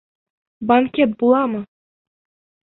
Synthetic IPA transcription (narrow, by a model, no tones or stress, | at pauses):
baŋkʲet̪̚bulˠɑmɤ